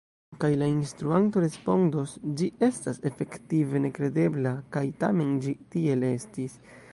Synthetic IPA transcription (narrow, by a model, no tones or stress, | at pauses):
kajlainstɾuanto̞ɾe̞spo̞ndosd͡ʒie̞stase̞fe̞ktive̞ne̞kɾe̞de̞blakajta̰me̞nd͡ʒitie̞le̞stis